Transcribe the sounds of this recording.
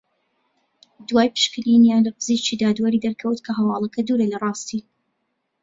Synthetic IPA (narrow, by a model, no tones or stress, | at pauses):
d̪waːjpɨ̥ʃkɨlinjaːnlɐqɨziːt͡ʃʰid̪aːd̪waɾid̪ɐɾkʰɐwt̪kʰɐɦɐwɑːlˠɐkʰɐd̪uːɾelɐrˤɑːst̪i